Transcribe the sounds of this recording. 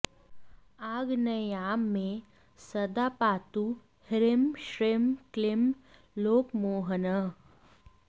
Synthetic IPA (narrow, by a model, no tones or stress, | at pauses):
aːɡnəeaːmːẽ | sɐd̪apaːt̪u | hɾɪmʃɾemklɪm | loːkmoːɦənə